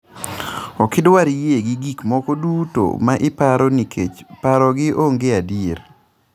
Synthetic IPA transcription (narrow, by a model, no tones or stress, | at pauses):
ɔkɪdwaɾijeɡɪɡikmɔkɔduto̰maʔɪpaɾɔnikʰet͡ʃpaɾɔɡɪʔoŋɡeadieɾ